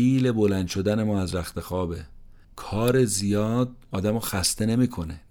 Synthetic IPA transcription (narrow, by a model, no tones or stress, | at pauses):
iːle̞bo̞lænd̪ʃo̞d̪æne̞mɒːæzɾæxt̪e̞xɒːbe | kʰɒːɾe̞zijɒːd̪̚ɒːd̪æmɒːxæst̪e̞ne̞miːkʰo̞ne